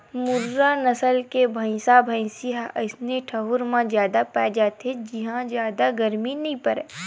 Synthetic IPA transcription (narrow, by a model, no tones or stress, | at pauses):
mʊɾːanɐsəlkebʱə̃ɪ̃sabʱə̃ɪ̃siɦaəɪsneʈʰɐɦʊɾmãzjaːd̪apɛːd͡ʒaːt̪ed͡ʒiɦãzjaːd̪aɡɐɾminɐɦĩpɐɾɛː